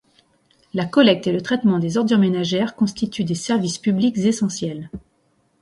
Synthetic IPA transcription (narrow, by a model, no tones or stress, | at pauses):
lakɔlɛk̚t̪elət̪χɛt̪mɑ̃d̪ezɔʁd̪ymenaʒɛʁkɔ̃st̪it̪ʰyd̪esɛʁvispyblikzesɑ̃sjɛl